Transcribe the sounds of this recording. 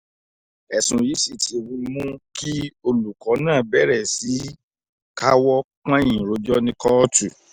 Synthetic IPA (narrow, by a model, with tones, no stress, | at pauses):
ɛ˨sũ˨ji˨˦si˦˨tʰi˨˦˨wĩ˧mũ˦ki˦o˧lu˨kɔ˨˦nãː˦˨bɛ˦ɾɛ˦˨si˨˦ | ka˦wɔ˦ | k͡pã˦jĩ˨ɾo˧d͡ʒɔ˦nĩ˧kɔ˦tu˦˨